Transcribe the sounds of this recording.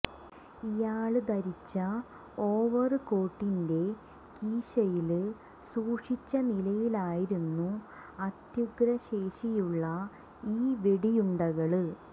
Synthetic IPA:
ijaːɭɨd̪ɐɾit͡ɕːɐ | o̞ːʋɐrɨko̞ːʈːinde̞ | kiːɕɐjilɨ | suːʂit͡ɕːɐnilɐjilaːjiɾunːu | ɐt̪juɡɾɐɕe̞ːʂijuɭːɐ | iːʋeɽijuɳɖɐɣɐɭɨ

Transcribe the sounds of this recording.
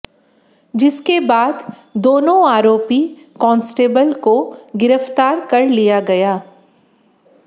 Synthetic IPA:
d͡ʒɪskebaːd̪ | d̪oːnõaːɾoːpi | kɔ̃ːnsʈeːbəlkoɡɪɾəft̪aːɾkɐɾlijaɡɐjaː

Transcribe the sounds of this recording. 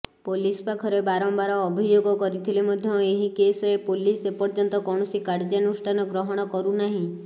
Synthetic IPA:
polispakʰɔɾebaɾɔmbaɾɔːbʱid͡ʒoɡɔkɔɾit̪ʰilemɔd̪ʱjɔeɦikesɔepolisepɔɾd͡ʒɔnt̪ɔkɔɽ̃ɔsikaɾd͡ʒanusʈanɔɡɾɔɦɔɽ̃ɔkɔɾunaɦĩ

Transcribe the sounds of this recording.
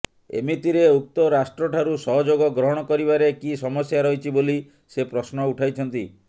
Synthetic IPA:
ḛmit̪iɾeuk̚t̪ɔɾasʈɾɔʈʰaɾusɔɦɔd͡ʒoɡɔɡɾɔɦɔɽ̃ɔkɔɾibaɾekisɔmɔsjaɾɔɦjt͡ʃʰiboli | sepɾɔsnɔuʈʰajt͡ʃʰɔnt̪i

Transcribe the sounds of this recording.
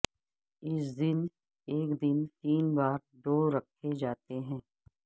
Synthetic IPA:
ɪsd̪ɪn | eːkd̪ɪnt̪iːnbaːɾd̪oːɾɐkʰed͡ʒaːt̪eɦɛ̃ː

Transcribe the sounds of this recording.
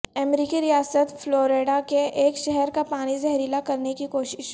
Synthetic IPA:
ɛmɾiːkiɾijaːsət̪floːɾeːɖakeʔeːkʃɛɦɛɾkapaːñizɛɦɾiːlakɐɾnekikoːʃɪʃ

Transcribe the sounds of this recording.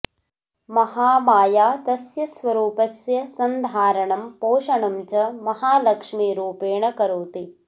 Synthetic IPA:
mɐɦaːmaːjaːt̪ɐsjɐsʋɐɾuːpɐsjɐsɐnd̪ʱaːɾɐɳɐmpoːʃɐɳɐmt͡ʃɐmɐɦaːlɐkʂmiɾuːpeːɳɐkɐɾuːt̪i

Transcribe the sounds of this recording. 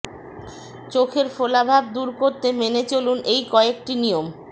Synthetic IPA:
t͡ɕokʰeɾfolabʱab̚d̪uɾkoɾt̪emenet͡ɕolunejkɔeek̚ʈinijom

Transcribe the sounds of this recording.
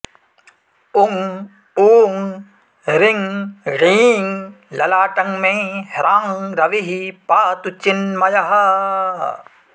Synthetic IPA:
uŋ | uːŋ | ɾiŋɾiːŋ | lɐlaːʈɐŋmẽhɾaːŋɾɐʋiɦipaːt̪ut͡ʃːinmɐjɐɦɐ

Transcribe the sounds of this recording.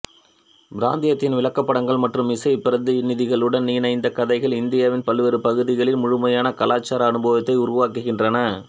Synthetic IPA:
bɪɾa̰ːnd̪ɪjɐt̪ːɪnʋɪlɐkːɐpːɐɽɐŋɡɐɭmɐʈrɯmɪsɐɪpɪɾɐnd̪ɯnɪðɪɣɐɭɯɽɐnniːnɐɪnd̪ɐkɐðɐɪɣɐɭɪnd̪ɪjaːʋɪnpɐlɯʋɐɾɯpɐɣɯðɪɣɐɭɪnmʊɻʊmɐjaːnɐkɐlaːt͡ʃːaːɾɐːnɯboːʋɐt̪ːɐɪʊɾʊʋaːkɯɣɪndrɐnɐ

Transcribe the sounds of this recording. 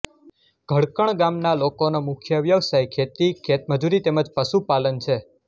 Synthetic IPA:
ɡ̥ʱəɽkəɳ̃ɡamnalokonomʊkʰjəʋjəʋsajkʰet̪ikʰet̪̚məd͡ʒuɾit̪eməd͡ʒpəʃupalənt͡ʃʰe

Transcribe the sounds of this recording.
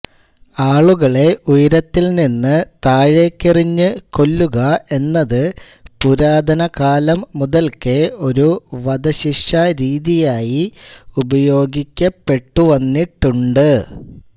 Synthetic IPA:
aːɭuɣɐɭe̞ʔujɐɾɐt̪ːilninːɨt̪aːɻe̞kːiriɲːɨko̞lːuɣɐe̞nːɐðɨ | puɾaːd̪ʱɐnɐkaːlɐmːuðɐlkɨo̞ɾuʋɐd̪ɐɕiʂɐɾiːðijaːjiubɐjo̞ːɡikʲːɐpːe̞ʈːuʋɐnːiʈːuɳɖɨ

